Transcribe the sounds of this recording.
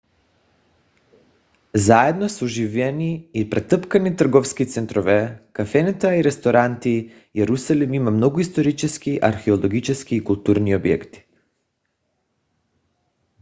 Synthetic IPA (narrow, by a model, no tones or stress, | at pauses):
zaɛd̪nosuʒivɛniːpɾɛt̪əpkanit̪r̩ɡɔfskit̪sɛnt̪ɾɔvɛkafɛnɛt̪aiɾɛst̪oɾant̪i | jɛɾusalimimamnoɡuist̪oɾit͡ʃɛskiʔaɾxɛolˠoɡit͡ʃɛskiːkulˠt̪uɾniobjɛ̰kt̪i̥